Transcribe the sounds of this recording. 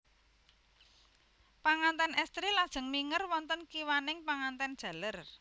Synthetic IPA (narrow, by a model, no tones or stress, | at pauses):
paŋant̪ɛnʔɛst̪ɾilad̥ʒ̥ə̤ŋmiŋərwɔnt̪ənkiwanɪŋpaŋant̪ɛnd̥ʒ̥a̤lər